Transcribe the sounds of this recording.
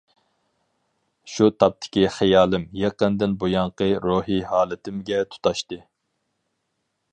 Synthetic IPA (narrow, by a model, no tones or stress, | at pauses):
ʃut̪ʰɑp̚t̪ʰɪ̥kʲiχɛjɑːlˠɪmjeqənd̪ɪnbojɑɴqəɾoːɦihɑːlˠɨt̪ʰɪmɡʲɛt̪ʰu̥t̪ʰɑʃt̪ɨ